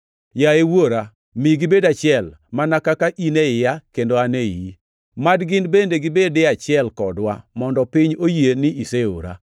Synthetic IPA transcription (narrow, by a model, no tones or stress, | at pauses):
jaewoɾa | mɪɡɪbedat͡ʃɪɛlmanakakaʔineɪjakendoanejḭ | madɡɪnbendeɡɪbedɪat͡ʃɪɛlkɔdwa̰mɔndɔpɪɲojenɪʔiseo̰ɾa̰